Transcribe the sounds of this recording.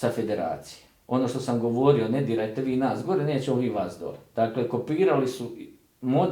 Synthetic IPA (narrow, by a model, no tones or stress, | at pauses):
safe̞d̪e̞ɾa̰ːt̪si̥jeo̞no̞ːʃt̪o̞samɡo̞ʋo̞ːɾio̞ne̞d̪iːɾajt̪e̞ʋiːnaːsɡo̞ɾe̞ne̞ːt͡ɕemoʋiːʋaːsd̪o̰led̪̥aːkle̞ko̞piːɾalisu | mod̪